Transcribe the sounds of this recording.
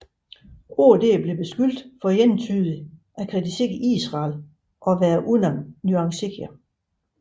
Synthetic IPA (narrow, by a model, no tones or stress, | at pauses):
o̝d̥e̝̰ːb̥le̝b̥e̝sɡ̥yl̰d̥fɒ̽jent͡sʰyðˠiʔækʰʁɛd̥iseɡ̥ḭːsʁɑ̈ːl | ʔɒ̽ʋæːɐʔuðˠnɐnnuɑ̈ŋseɡ̥ʰæ